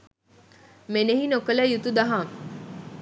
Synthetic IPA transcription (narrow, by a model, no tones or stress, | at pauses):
meneɦinokələjut̪ud̪aɦa